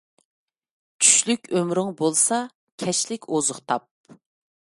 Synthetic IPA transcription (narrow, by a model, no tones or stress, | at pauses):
t͡ʃʰy̥ʃlykʲømɾɪŋbolˠsɑ | kʲʰɛʃlɪkʲʰozʊχt̪ʰɑp̚